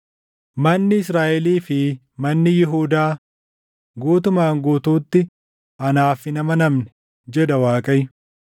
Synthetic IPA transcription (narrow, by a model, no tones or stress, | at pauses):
mɐnːɪɪsɾaːʔɛliːfɪ | mɐnːɪjɪɦuːd̪aː | ɡuːt̪̬ʊmaːŋɡuːt̪uːt̪ːɪ | ʔɐnaːfɪnɐmɐnɐmnɛ̥ | d͡ʒɛᶑ̪ɐwaːkʼɐjɪ